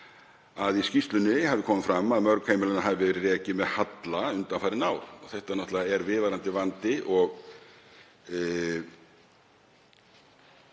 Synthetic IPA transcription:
aðiscist̪lʏnːɪhavðɪkʰɔːmɪfɾamːaðmœɾkʰheːjmɪlɛnaɦaðɪvɛɾɪrɛːcɪmɛðhat̪laʏnt̪anfaːɾɪnaːwɾ̥ɔθɛht̪anɔht̪laɛɾvɪːvaɾant̪ɪvant̪ɪʔɔɣ

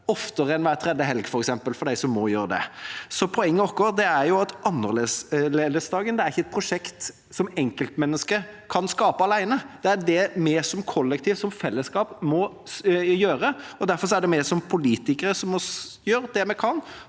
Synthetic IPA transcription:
ɔft̪əɾɛnʋæːɾt̪ʰɾɛd̪əɦɛlɡfɔɾɛksɛmpəlfɔɖ̪æɪsɔmːɔjøːɾəd̪ɛ̰sɔpʰɔɛŋːəɔkːɔɾd̪ɛæɾjʊɑt̪ʔɑnːəɾleːsleːd̪əsd̪ɑːɡənd̪ɛæɾɪçːəɛt̪̚pʰɾʊʂɛkt̪ | sɔmɛŋkəlt̪mɛnːəskəkʰɑnskɑːpəɑlæɪnəd̪ɛæɖ̪ɛmeːsɔmkʰɔlːɛkt̪ʰiːʋsɔmfɛlːəskɑːpmɔ | jøːɾəɔd̪æɾfɔɾʂɔæɖɛmeːsɔmpʰʊliːt̪ɪkəɾəsɔmmɔjøːɾd̪ɛmɛkʰɑn

